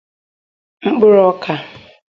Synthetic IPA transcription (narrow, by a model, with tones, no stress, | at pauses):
ŋ͡m̩˦k͡pʊ˦ɾɔ˦kʰa˨